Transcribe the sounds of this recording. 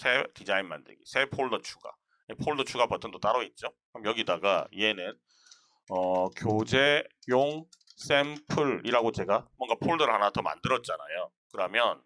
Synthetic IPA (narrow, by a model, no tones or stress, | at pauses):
sʰetid͡ʑainma̰ndɯ̰ɡḭsʰe̞pʰoɭdʌt͡ɕʰu̥ɡa̰ | epʰoɭdʌt͡ɕʰuɡapʌtʰɯntot͈aɾʌit̚t͡ɕ͈ohamjʌɡidaɡaie̞nɯn | ʌkjod͡ʑejoŋ | s͈empʰɯɾiɾaɡot͡ɕe̞ɡamwʌŋɡapʰoɭdɯɾɭhanatʌma̰ndɯɾʌt̚t͡ɕ͈ana̰jo | kɯɾʌmjʌn